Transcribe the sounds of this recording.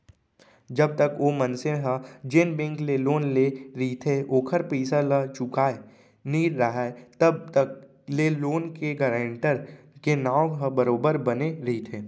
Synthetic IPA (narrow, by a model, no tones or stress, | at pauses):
d͡ʒɐb̚t̪əkoːmənseɦəd͡ʒenbẽŋkleloːnleɾɐɦit̪ʰeoːkʰəɾpiːsalət͡ʃʊkaːe | niːɾɾɐɦat̪ɐb̚t̪ək̚ | leːloːnkeɡəːɾə̃ɳʈəɾ | kenãːɦə̃bəɾoːbəɾbɐneɾɐɦit̪ʰeː